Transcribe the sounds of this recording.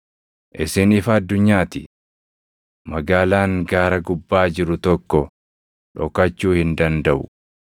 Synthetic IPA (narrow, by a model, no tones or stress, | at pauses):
ʔɪsɪnɪfɐːd̪ːʊɲːaːt̪ɪ | mɐɡaːlaːŋɡaːɾɐɡʊbːaːd͡ʒɪɾʊt̪ɔkːɔ | ᶑɔkɐt͡ʃːuːhɪnd̪ɐnd̪ɐʔʊ̰